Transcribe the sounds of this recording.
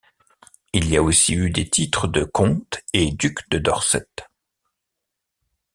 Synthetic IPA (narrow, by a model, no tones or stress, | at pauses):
iliaosiyd̪et̪ʰit̪χəd̪əkʰɔ̃t̪ed̪ykd̪əd̪ɔʁsɛ̰t̪